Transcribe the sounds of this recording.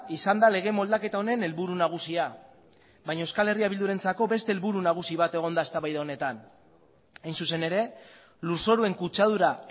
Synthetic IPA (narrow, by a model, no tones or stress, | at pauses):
isand̪ale̞ɣ̞e̞mo̞ld̪ake̞t̪ao̞ne̞ne̞lβuɾunaɣ̞usia | βajɲaeskale̞riaβild̪uɾe̞nt͡sako̞βe̞st̪eːlβuɾunaɣ̞usiβ̞at̪e̞ɣ̞o̞nd̪ae̞st̪aβajðao̞ne̞t̪an | ajnsuse̞ne̞ɾe̞ | luɾso̞ɾue̞ŋkut͡ʃað̞uɾa